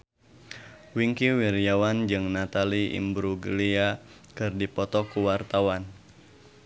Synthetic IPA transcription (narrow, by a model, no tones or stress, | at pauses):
wiŋkiwirjawand͡ʒɨŋnat̪aliḭmbɾuɡə̰lia | kɨrdipɔt̪ɔkuwart̪awan